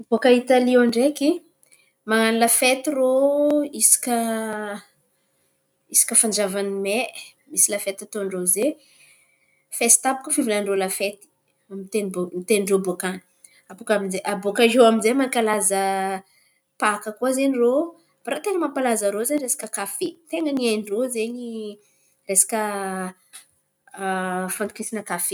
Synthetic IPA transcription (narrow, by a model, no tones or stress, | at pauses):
bokait̪alioɳɖ͡ʐeki | maŋanilafet̪iroisi̥kʲə | isi̥kʲəfand͡ʒavanime | misilafet̪at̪oɳɖ͡ʐoze | fesi̥t̪apu̥kəfivilaɳɖ͡ʐolafet̪i̥ | amit̪enbomit̪enrobokani̥ | apukaminzeʔabokaɦoaminzemakʲalazə | pakəkuazeniro | b̥aɾat̪eŋəmapalazəɾozeɲiɾesḁkəkafet̪eŋəniajɳɖ͡ʐozeɲi | resḁkə | fant̪ukisinəkafe